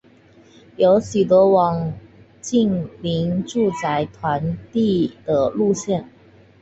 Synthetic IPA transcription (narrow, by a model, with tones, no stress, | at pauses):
jo˧˥ʊɕy˨˩t̪ə˧˥wɑ˨˩ŋ | t͡ɕi˥˩ŋli˧˥ŋʈ͡ʂu˥˩t͡sa˧˥ɪt̪ʰwa˧˥nt̪i˥˩d̪̥ə˨lu˥˧ɕjɛ˥˩n